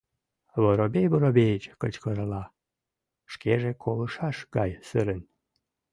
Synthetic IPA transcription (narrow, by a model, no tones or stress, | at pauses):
βoɾobʲejboɾobʲejt͡ɕkət͡ɕkəɾəlɑ | ʃkeʒekʰoləʃɑʃɡɑjsɨɾən